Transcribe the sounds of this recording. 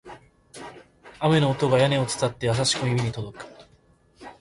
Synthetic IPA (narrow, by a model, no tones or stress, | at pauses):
ame̞no̞ːt̪o̞ɡajane̞o̞t͡sɨ̥t͡s̪at̪ːe̞jas̬aɕi̥koimʲiɲ̟it̪o̞d̪o̞kɯ̟̥